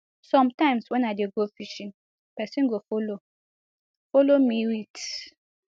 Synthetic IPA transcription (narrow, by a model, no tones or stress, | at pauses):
sɔmtãɪ̃mswɛnaɪdeɡofiʃĩn | pɛsĩnɡofolo | folomiwit